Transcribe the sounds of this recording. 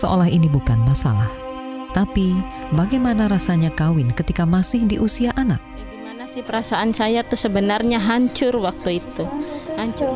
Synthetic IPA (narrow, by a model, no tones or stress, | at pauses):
səʔo̰laɦinibukanmasa̰lah | t̪apibaɡajmanaɾasaɲakawɪnkət̪ikamasɪhdiʔusiaʔanak̪̚ | imanasɪhpəɾasaʔansajat̪ʊsəbənarɲaɦaɲt͡ʃʊrwak̚t̪uit̪uhaɲt͡ʃʊ